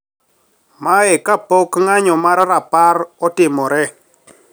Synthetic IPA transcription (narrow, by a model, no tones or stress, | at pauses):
maɛkapokŋaɲɔmaɾɾapaɾɔtɪmɔɾɛ